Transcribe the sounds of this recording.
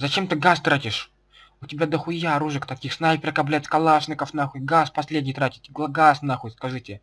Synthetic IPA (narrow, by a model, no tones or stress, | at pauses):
zɐt͡ɕe̞mt̪ɨɡast̪ɾatʲɪʂ | ʊtʲɪbʲad̪əxʊjaɾuʐɨkt̪ɐkʲixsnajpʲɾʲɐkɐblʲætʲskɐlˠaʂnʲɪkəfnaxʊɡaspɐsʲlʲedʲnʲɪjt̪ɾatʲɪ̥t̪ʲɡˠɡasnaxʊt̪ʲskɐʐɨtʲɪ